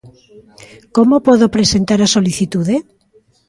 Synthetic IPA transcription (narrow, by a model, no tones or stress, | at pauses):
komopoðopɾesent̪aɾasoliθit̪uðe